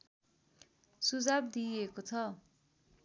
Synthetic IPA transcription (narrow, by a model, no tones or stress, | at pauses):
sud͡zab̚d̪iekot͡sʰʌ